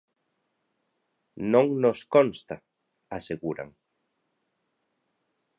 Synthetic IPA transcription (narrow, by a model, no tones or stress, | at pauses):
nõŋnoskonst̪a | aseɣuɾa̰ŋ